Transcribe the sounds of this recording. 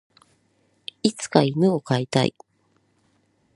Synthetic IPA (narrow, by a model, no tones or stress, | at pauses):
it͡sɨ̥kaimɯ̟o̞kait̪a̰ḭ